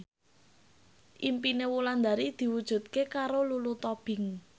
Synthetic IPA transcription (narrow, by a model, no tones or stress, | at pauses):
ʔimpinewuland̪aɾid̪̥i̤wud̥ʒ̥ṳt̪̚kekaɾolulut̪ɔb̥ɪ̤ŋ